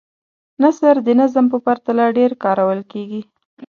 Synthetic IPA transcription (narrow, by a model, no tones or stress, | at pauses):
nasaɾd̪ənazəmpəpaɾt̪alaɖeɾkɑɾawəlkeɡi